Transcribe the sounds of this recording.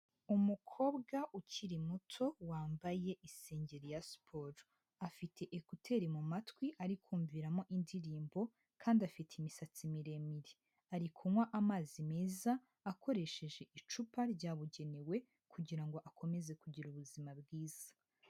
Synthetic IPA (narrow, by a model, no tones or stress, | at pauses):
umukʰo̞ːbɡaʔuciɾimutʰo̞waːmbaje̞ʔise̞ːɲɟe̞ɾjaspʰoːɾ | afitʰe̞ʔekutʰe̞ɾimumatwiʔaɾikʰuːɱviɾamo̞ʔindiɾiːmbo̞ | kʰaːndiafitʰeimisat͡simiɾe̞miɾe | aɾikʰumwaʔamaːzime̞ːzaː | kʰo̞ɾe̞ʃe̞ʒe̞ʔit͡ʃupaɾɟaːβuɟe̞newe̞ | kʰuɟiɾaŋɡo̞ʔakʰo̞me̞ze̞kuɟiɾuβuzimabɡiːz̥ḁ